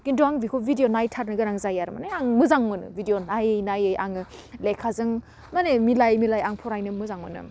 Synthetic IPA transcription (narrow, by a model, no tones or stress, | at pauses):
ɡ̥induaŋbikʰobidijonajtʰat̚nɯɡɯɾaŋzajaɾɯma̰naaŋmɯzaŋmɯnɯ̰bidijonajɯjnajɯjʔa̰ŋɯlekʰːazɯŋ | manemilajmilajaŋpʰɔɾajnɯmɯzaŋmɯnɯ̰